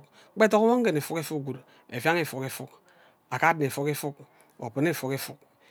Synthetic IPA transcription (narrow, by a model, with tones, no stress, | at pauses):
k͡pe˦to˦ko˦wo˦ŋ˦ɡe˨ne˨fu˦ke˦fu˦k̚ɡu˨d | ḛ˨vja˦ŋe˦˨fo˨ke˨fu˦k | a˨ka˦dn˨e˨fo˦ke˦fu˦k̚ | o̰˨pe˨ne˦˨fo˨ke˦fu˦k̚